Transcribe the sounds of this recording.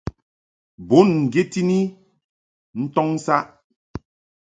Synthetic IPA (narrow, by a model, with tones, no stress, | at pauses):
bo˨˦nŋ̩˨ɡje˦ti˦ni˦ | n̩˦tɔ˦ŋ˦sa˦ʔ